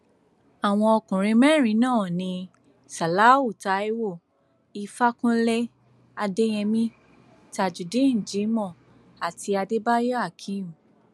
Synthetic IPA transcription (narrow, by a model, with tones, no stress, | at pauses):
a˨w̃ɔ̃˧ɔ˧kũ˨ɾ̃ĩ˧mɛ̃˦˨ɾ̃ĩ˨˦nãː˦˨nĩ˧ | sa˨la˨˦u˦˨ta˨˦e˦wo˦˨ | i˧fa˦kũ˦le˦ | a˧de˦j̃ɛ̃˧mĩ˦ | ta˧˨d͡ʒu˨de˨˦n̩˨d͡ʒĩ˨˦mɔ̃˦˨ | a˨ti˧a˧de˦ba˦jɔ˦a˦˨kʰi˧˦ũ˨